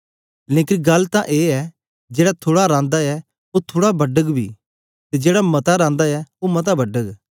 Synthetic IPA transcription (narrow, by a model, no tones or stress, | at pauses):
lẽːkɪnɡɐlːt̪ãʔeːɛ | d͡ʒeːɽat̪ʰoːɽaɾãːnd̪aɛ | ot̪ʰoːɽabɐɖəɡbʱḭː | t̪ɛd͡ʒeːɽamɐt̪aɾãːnd̪aɛomɐt̪̬abɐɖəɡ